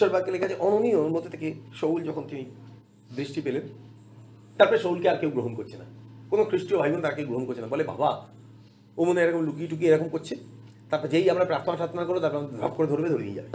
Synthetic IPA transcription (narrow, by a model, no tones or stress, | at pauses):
ʃɔɾbʱaɡ̚kelekʰad͡ʑʰeʔɔnonioɾmot̪ʰːot̪ʰekeʃowld͡ʑɔkʰont̪ini | d̪ɾiʃʈipelen | t̪aɾpɔɾeʃowlkeaɾkewɡɾoɦonkoɾt͡ɕʰenakonokʰɾiʃʈɾiobʱajɡont̪aɾakewɡɾoɦonkoɾt͡ɕʰenabɔleba̰ba | omoneeɾɔkomlukiʈuk̬ieɾɔkomkoɾt͡ɕʰe | t̪aɾpɔɾed͡ʑejamɾapɾapt̪ʰomaʃat̪onakoɾot̪aɾpɾambʱa̰b̚koɾed̪ʱoɾbed̪ʱoɾḛḭḛa̰be